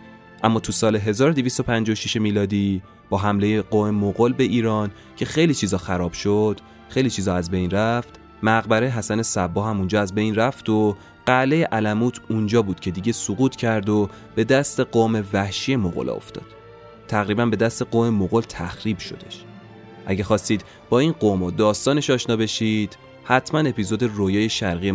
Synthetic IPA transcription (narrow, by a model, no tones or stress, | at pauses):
ʔæmːɒːt̪ʰusɒːle̞ɦe̞zɒːɾod̪evist̪o̞pʰænd͡ʒɒʃiʃe̞miːlɒːd̪iː | b̥ɒːɦæmle̞jeɡoːmemoɣolbe̞ʔiːɾɒːn | cʰe̞xe̞jliːt͡ʃʰiːzɒːxæɾɒːb̥ʃod̪̥ | xejliːt͡ʃʰiːzɒæzbe̞jnræft̪ | mæɣbæɾeɦæsæne̞sæbːɒːɦæmund͡ʒɒːæzbe̞jnræft̪o | ɢ̥ælejeʔælæmuːt̪ʰund͡ʒɒːbuːd̪̥cʰe̞d̪iɟe̞suɡuːt̪ʰcʰæɾd̪o̞ | b̥e̞d̪æst̪e̞ɡoːme̞væhʃije̞moɣo̰lʔɒ̰ːo̰ft̪ɒ̰ːd̪̥ | t̪ʰːæɣɾiːbænbe̞d̪æst̪e̞ɡoːme̞moɣolt̪ʰæxɾiːb̥ʃo̞̰d̪e̞ʃ | ʔæɟæxɒːst̪iːd̪ | bɒːinɢomod̪ɒːst̪ɒːneʃɒːʃnɒːbe̞ʃiːd̪̥ | hæt̪ʰmæne̞pizod̪e̞rojɒːje̞ʃæɾɣije